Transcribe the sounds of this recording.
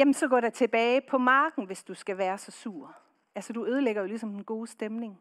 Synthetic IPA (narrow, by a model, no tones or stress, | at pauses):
jemn̩sɒ̽ɡɒ̰ːɾ̥ɑ̈t͡sʰe̝b̥ɛːɪpʰɒ̽mɑ̈ːɡ̥n̩ʋe̝sd̥usɡ̥æʋæːɐsɒ̽suːɐ̰ | ʔælsəd̥uøːð̞ˠəleɡ̥ɐjo̝lisɒ̽menɡ̥o̝ːsd̥emne̝ŋ